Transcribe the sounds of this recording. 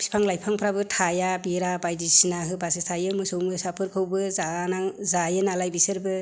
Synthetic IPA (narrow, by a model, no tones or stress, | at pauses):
b̥ʰi̥spʰaŋlajpʰaŋpʰɾabɯtʰajabiɾabajdisinaɦɯbasɯtʰajɯmɯsɯwmɯsapʰɯɾkʰɯwbɯzanazajɯnalajbisɯɾbɯ